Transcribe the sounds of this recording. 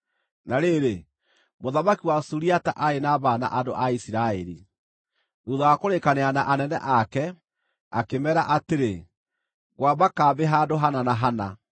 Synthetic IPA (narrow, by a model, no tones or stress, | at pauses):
naɾeɾe | moðamakiwasuɾiata̰ʔaenaβana̰ʔado̰ʔaisiɾaɛɾḭ | uðaakoɾekaneanaʔanɛnɛ̰ʔakɛ | a̰kemɛɾaʔateɾe | ɣwabakaːbeɦaːdoɦananaɦana̰